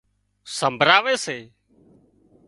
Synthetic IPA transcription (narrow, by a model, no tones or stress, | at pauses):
səmbʱɾaːʋeːseː